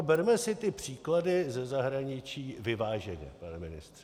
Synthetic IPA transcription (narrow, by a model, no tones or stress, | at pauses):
bɛɾmɛsɪt̪ɪpr̝̥iːkladɪzɛzaɦɾaɲɪt͡ʃiːvɪvaːʒɛɲɛ̰panɛmɪnɪ̰st̪r̥ɛ